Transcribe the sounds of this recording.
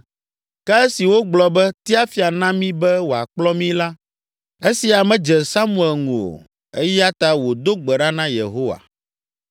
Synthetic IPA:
kɛ˦e˦si˨wo˦ɡ͡blɔ˨bɛ˦t̪i˦a˦fi˦a˨nã˦mĩ˦bɛ˦wo˨a̰˨k͡plɔ˦mĩ˦la˦ | e˦si˨a˨mɛ̃˦d͡ʒɛ˨sa˦mũ˦˨ɛ˨lŋũ˨o̰˨ | e˦ja˦t̪a˦wo˨d̪o˦ɡ͡bɛ˨ɖa˦nã˦jḛ˨ɦo˦wa̰˨

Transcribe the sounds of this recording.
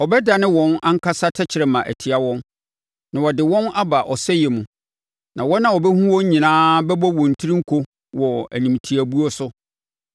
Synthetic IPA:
ɔ˨bɛ˦da˨nɪ̃˦wɔ̃˦nã˦ŋ̩˦kʰa˦sa˦tʰɛ˦t͡ɕʰɪ˨ɾɛ˨mã˨ʔæ̰˨tʰi˨a˨wɔ̃˦n | nã˨wɔ˨dɪ˨wɔ̃˦na˦ba˨ʔɔ˨sɛ˦jɛ˨mũ˨ | nã˨wɔ˦nːã˨wɔ˨bɛ˦hũ˦wɔ˦ɲ̩˦ɲĩ˨nãː˦bɛ˦bɔ˦wɔ̃˨n̩˨tʰi˦ɾĩ˦ŋ̩˦kʰo˦ | wɔ˨æ̰˨nĩ˨m˨tʰi˨æ˨bu˦o˦sʊ˦

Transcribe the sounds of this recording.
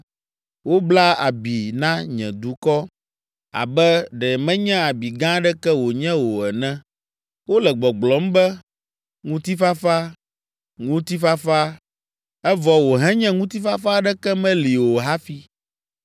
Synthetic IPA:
wo˦bla˦a̰˨bi˨nã˦ɲɛ̃˨d̪u˨˦kɔ˦ | a̰˨bɛ˦ɖɛ˨mɛ̃˦ɲɛ̃˦a˨bi˨ɡã˦ɖɛ˦kɛ˦wo˨ɲɛ̃˦wo˨ɛ˨nɛ̃˦ | wo˦lɛ˨ɡ͡bɔ˨ɡ͡blɔ˨˦m̩˦bɛ˦ | ŋũ˦t̪i˦fa˦fa˦ | ŋũ˦t̪i˦fa˦fa˦ | ɛ˦vɔ˨wo˨ɦɛ̃˦ɲɛ̃˦ŋũ˦t̪i˦fa˦fa˦ɖɛ˦kɛ˦mɛ̃˦li˨wo˨ɦa˦fi˦

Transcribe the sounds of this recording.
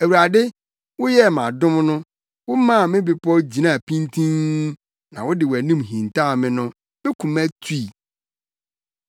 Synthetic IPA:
æ˨wu˨a˨dɪ˦ | wʊ˦jɛ˦˨mã˨dʊ̃˦mnʊ̃˦ | wʊ˦mã˦˨mɪ̃˦bɪ˨pʰɔ˦d͡ʑi˨nã˦˨pʰĩ˦ntʰĩ˦n | nã̰˨wʊ˦dɪ˨wæ˨nĩ˦mɦĩ˨ntʰa˦˨mɪ̃˦nʊ̃˦ | bɛ˦kʰũ˨mæ̃˦tʰu˦i˨

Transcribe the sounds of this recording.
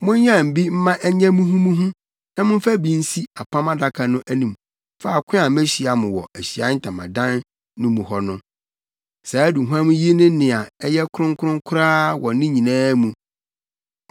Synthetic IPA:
mʊ̃˦ɲ˦ɲ˦ã˦˨m̩˨bi˦m̩˦mã˦ʔɛ˦ɲɛ̃˦mũ˦ɦũ˦mũ˦ɦũ˦ | nã˦mʊ̃˦fæ˦bi˦n̩˦si˦a˨pʰã˦mã˦da˦kʰa˨nʊ̃˦ʔæ˦nĩ˨m | fa˦˨kʷʰɪ̃˦a˨me˦ɕi˨a˨mʊ̃˨wɔ̰˨æ˨ɕi˨a˦n̩˦tʰã˨mã̰˨dã˦nː | ʊ̃˦mũ˨hɔ˦nʊ̃˦ | sa˨˦du˨ɦu˦ã˦mũ˦ji˦e˦nʊ̃˦nɪ̃˨a˨ɛ˦jɛ˦kʰʊ˦ɾʊ̃˦ŋ˦kʰʊ˦ɾʊ̃˦ŋ˦kʰʊ˦ɾaː˦wɔ˨˦nɪ̃˦ɲĩ˨nãː˦mũ˨

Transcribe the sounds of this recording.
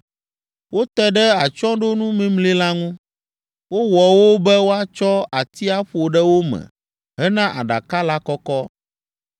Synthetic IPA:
wo˦t̪ɛ˦ɖɛ˦a˨t͡ʃɔ̃˦ɖo˦nũ˦mẽ˦mli˦la˦ŋũ˦ | wo˦wɔ˨wo˦bɛ˦wo˦a˦t͡ʃɔ˦a˨t̪i˦a˦ɸo˨ɖɛ˦wo˦mɛ̰̃˨ | ɦɛ˦nã˦ʔa̰˨ɖa̰˨ka˦la˦kɔ˦kɔ˦

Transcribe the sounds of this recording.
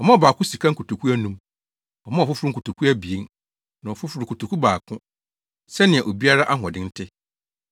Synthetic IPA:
ɔ˨mã˦ɔ˨baː˨kʰʊ˦si˨kʰa˦ŋ̩˦ku˨tu˨kʰu˦æ˦nũ˦m | ɔ˨mã˦ɔ˨fʊ˦fʊ˦ɾʊ̃˦ku˨tʰu˨kʰu˦æ˦bi˨e˦n | nã˨ɔ˨fʊ˦fʊ˨ɾu˨kʰu˨tʰu˨kʰu˦baː˨kʰʊ̃˦ | sɛ˦nɪ̃˨a˨ʔo˨bi˦a˦ɾa˦ʔa˦ɦɔ̃˨dɪ̃˦n̩˦tʰɪ˦

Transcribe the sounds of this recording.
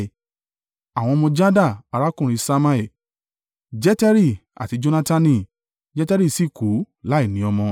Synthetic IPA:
a˨w̃ɔ̃˧mɔ̃˧d͡ʒa˦da˦˨a˧ɾa˦kũ˦˨ɾ̃ĩ˧sa˦ma˧ɛ˦˨ | d͡ʒɛ˦tɛ˦ɾi˦˨a̰˨ti˨˧d͡ʒo˧˦nã˧ta˧nĩ˧˨ | d͡ʒɛ˦tɛ˦ɾi˦˨si˦˨ku˨˦ | la˨˦i˦˨nĩ˨˦ɔ˧mɔ̃˧

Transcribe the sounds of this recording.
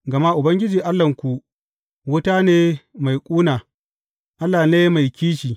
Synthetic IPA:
ɡɐ˨ma˦ʔʊ˨bɐ˦ŋɡʲɪ˦d͡ʒiː˨ʔa˦lːɐ˨ŋkʷu˨ʔ | wʊ˦ta˦neː˦ma˨jkʷʼuː˦naː˨ | ʔa˦lːaː˨neː˦ma˨jkʲiː˦ʃiː˨

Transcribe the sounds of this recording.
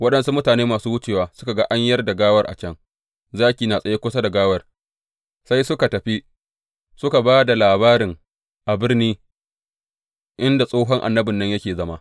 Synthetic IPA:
wɐ˦ɗɐ˨nsu˦mʊ˦taː˨neː˦maː˨suː˦wʊ˦t͡ʃeː˨waː˨˦sʊ˦ka˨ɡa˦ʔa˦ɲjɐ˦rda˨ɡaː˦wɐ˦rʔa̰˨t͡ʃɐ˦ŋ | zaː˦kʲiː˨naː˨sʼɐ˦je˦kʷʊ˦sa˦da˨ɡaː˦wɐ˨r | sa˦jsʊ˦ka˨tɐ˨ɸi˦ | sʊ˦ka˨baː˦da˨laː˨baː˦ɾɪ˨ŋ | ʔa˨bɪ˦rniː˦ | ʔɪ˦nda˨sʼoː˦ɦɔ˦ŋʔa̰˨nːɐ˦bɪ˨nːɐ˦ɲjɐ˦kʲeː˨zɐ˦ma˦

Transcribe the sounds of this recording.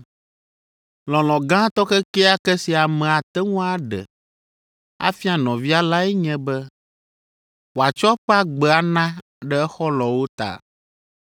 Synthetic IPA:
lɔ̃˨lɔ̃˨ɡã˦t̪ɔ˦kɛ˦kɛ˦a˦kɛ˦si˨a˨mɛ̃˨a˨t̪ɛ˦ŋũ˦a˦ɖɛ̰˨ | a̰˦fi˦a˨nɔ̃˨vi˦a˦la˦ɛ˦ɲɛ̃˦bɛ˦ | wo˨a˨t͡ʃɔ˦ɸa˦ɡ͡bɛ˨a˨nã˦ | ɖɛ˦ɛ˦xɔ˦lɔ̃˨wo˦t̪a̰˨

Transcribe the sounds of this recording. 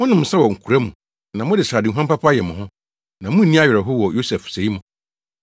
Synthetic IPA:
mʊ̃˦nʊ̃˨m̩ʊ̃˨sɛ˦wɔ˨ŋ̩˨kʰu˨ɾa˦mũ˨ | nã˨mʊ̃˦dɪ˨sɾa˨dɪ˨ɦã˦mpa˦pʰa˦jɛ˨mʊ̃˨ɦʊ̃˦ | nã˨mʊ̃˦n̩˨ĩ˦a˦ɥɛ˨ɾɛ˨ɦʊ˦wɔ˨jo˦sɛ˨fse˨i˦mʊ̃˨

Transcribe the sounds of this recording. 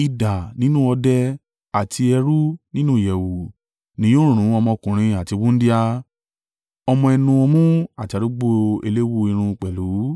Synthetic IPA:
i˨da˨nĩ˦nũ˦ɔ˧dɛ˦ | a˨tʰi˧ɛ˧ɾu˦nĩ˦nũ˦˨ɛ˨wu˨ | nĩ˨˦õ˦ɾ̃ũ˦˨ɾ̃ũ˨˦ɔ˧mɔ̃˧kũ˨ɾ̃ĩ˧a˨ti˧wũ˦n̩˦di˦a˧ | ɔ˧mɔ̃˧ɛ˧nũ˧ɔ˧mũ˦a˨ti˨a˨ɾo˦ɡ͡bo˦e˧le˦wu˦i˧ɾ̃ũ˧k͡pɛ˨lu˨˦

